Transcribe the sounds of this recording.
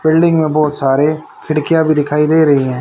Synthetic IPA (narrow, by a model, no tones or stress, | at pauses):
bɪlɖɪ̃ŋɡmẽbɔːt̪saːɾe | kʰɪɽkijãbʱid̪ɪkʰaːid̪eːɾɐɦiɦɛ̃ː